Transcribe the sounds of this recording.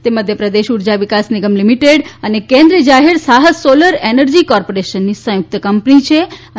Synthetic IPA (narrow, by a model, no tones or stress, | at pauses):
t̪eməd̪ʱjəpɾəd̪eʃuɾd͡ʒaʋikasniɡəmlimiʈeɽənekẽnd̪ɾid͡ʒaɦeɾsaɦəsoləɾenəɾd͡ʒikɔɾpoɾeʃənːisə̃jʊk̚t̪əkəmpnit͡ʃʰe